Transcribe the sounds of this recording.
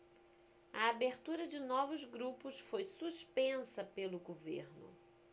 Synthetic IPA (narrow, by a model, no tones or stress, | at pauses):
ɐabeɾt̪uɾɐd͡ʒɪnɔvʊzɡɾupʊsfojsuspẽsɐpelʊɡovḛɾnʊ̰